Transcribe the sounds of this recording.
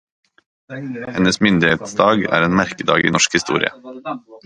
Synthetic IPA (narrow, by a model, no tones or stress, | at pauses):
hɛnəsmʏnd̪ɪheːt̪sd̪ɑːɡæ̰ːɾeːnmæɾkəd̪ɑ̰ːɡiːnɔʃkhɪst̪ṵːɾɪ̰ə̰